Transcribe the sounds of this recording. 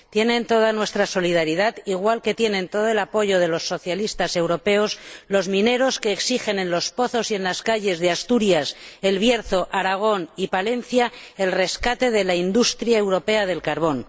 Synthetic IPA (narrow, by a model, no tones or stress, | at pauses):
t̪je̞nẽ̞nt̪o̞ð̞anwe̞st̪ɾaso̞liðaɾiðaðiɣwalke̞t̪je̞nẽ̞nt̪o̞ð̞oe̞lapo̞ʝo̞ðe̞lo̞sːo̞θjalist̪ase̞wɾo̞pe̞o̞slo̞zmĩne̞ɾo̞ske̞ːksixe̞nẽ̞nlo̞spo̞θo̞sie̞nlaskaʝe̞zðeast̪uɾjase̞lβje̞ɾθo̞ʔaɾaɣ̞o̞nipale̞nθjae̞lre̞skat̪e̞ð̞e̞laind̪ust̪ɾjae̞wɾo̞pe̞að̞e̞lkaɾβ̞o̞n